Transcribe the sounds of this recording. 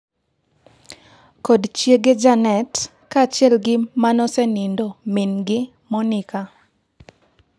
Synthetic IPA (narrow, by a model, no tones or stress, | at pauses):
kɔdt͡ʃjeɡed͡ʒanɛt | kat͡ʃjɛlɡɪmanɔsɛnindomɪnɡɪ | mɔnɪka